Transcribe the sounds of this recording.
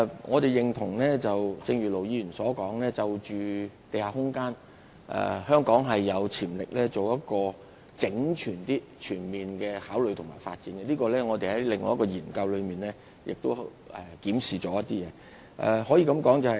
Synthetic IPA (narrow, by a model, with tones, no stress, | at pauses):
ŋɔː˨˧t̪e˨jɪ˨ŋt̪ʰʊ˨˩ŋlɛː˥t͡sɐ˨wt͡sɪ˧ŋɥy˨˩lo˨˩wjiː˨˧jyː˨˩nsɔː˨˥kɔː˨˥ŋlɛː˥t͡sɐ˨wt͡ʃyː˨t̪e˨jhaː˨hʊ˥ŋkaː˥n | ʔɛ̰˨˧hœː˥ŋkɔː˨˥ŋɦɐ˨jːɐ˨˧wt͡sʰiː˨˩mlɪ˨k̚lɛː˥t͡so˨wjɐ˥t̚kɔː˧ | t͡sɪ˨˥ŋt͡ʃʰyː˨˩nt̪iː˥ | t͡ʃʰyː˨˩nmiː˨nkɛː˧haː˨˥wlɵ˨˧jt̪ʰʊ˨˩ŋma̰ː˨˩jfaː˧t̚t͡siː˨˥nɡɛ˧liː˥kɔː˧lɛː˥ŋɔː˨˧t̪e˨hɐ˨˥jlɪ˨ŋːɔː˧˦jɐ˥kɔː˧jiː˨˩nkɐ˧wlɵ˨˧ɥmiː˨nlɛː˥ | jɪ̰˨k̚t̪o˥w | ɛ˨kiː˨˥msiː˨˩t͡ʃɔː˨˥jɐ˥t̪̚iː˥jɛː˨˦ | ʔɛ̰˨hɔː˨˥jiː˧kɐ˨˧mkɔː˨˥ŋt͡sɐ˨hɐ˨